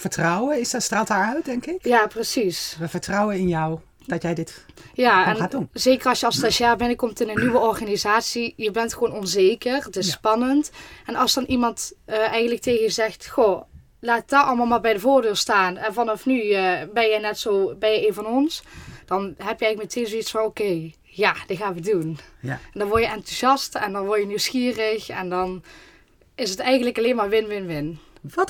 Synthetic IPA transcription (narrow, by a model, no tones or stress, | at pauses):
fəɹtrɔwəɪststraːlˠtaːɹœɥt̚dɛŋkɪkjaːprəsisʋəvəɹtrɔwənɪnjɔw | d̥ɑtjɛjdɪtjaːɛnadnzeːkərɑsjəɑlˠstasjaːbɪnkɔmtɪnənːiʋəɔrɣaːnizaːtsijəbɛntxəʋoːnɔnzejkərətɪspɑnəntɛnɑlˠsd̥ɑnʔimɑntəʔɛjɣən̩tlək̚teːɣənjəzɛxtxo | laːtd̥ɔɑlˠmalˠmaːlbɛjdəvoːrdøːlstaːnɛnvɑnɑfnyəbɛnjɛjnɛtsowbɛnjɛjeːnvɑnɔnsd̥ɑnɦɛpjəɛɣləkmetʰeːnzoitsfɑnokej | jaːd̥ɪɣaːnʋədunɛndɑnʋɔɹjəɛntuzɑstɛndɑnʋɔɹtjəniwsxiːrəxɛ̰ndɑn | ɪsətɛjɣəntləkɑleːnmaːɹʋɪnʋɪnʋɪn